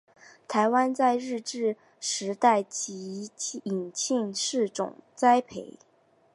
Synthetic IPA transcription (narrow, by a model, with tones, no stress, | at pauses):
t̪ʰa˧˥ɪwa˥nt͡sa˥˧ɪɻɻ̩˥˧ʈ͡ʂɻ̩˥˩ | ʂɻ̩˧˥t̪a˥˩ɪt͡ɕi˧˥i˨˩nt͡ɕʰi˥˧nʂɻ̩˥˩ʈ͡ʂʊ̰˨˩ŋt͡sa˥ɪpʰe˧˩˦ɪ